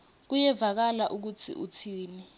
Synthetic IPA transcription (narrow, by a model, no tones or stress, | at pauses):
k̬ujɛvak̬alaʔuk̬ut͡sʰḭʔutʰiːni